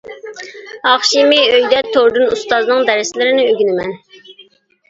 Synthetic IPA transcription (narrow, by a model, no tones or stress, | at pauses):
ɑχʃimɪøjd̪ɛt̪ʰːoɾd̪ɨnust̪ɑznɨŋd̪ɛɾɪsɪlɪɾɪnɪøɡʲinɪmɛn